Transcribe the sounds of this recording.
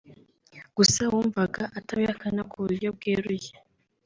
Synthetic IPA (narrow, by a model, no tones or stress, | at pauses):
ɡ̥usawuːɱvaɡaʔataβihakanakʰuβuɾjo̞b̚ɡeːɾuje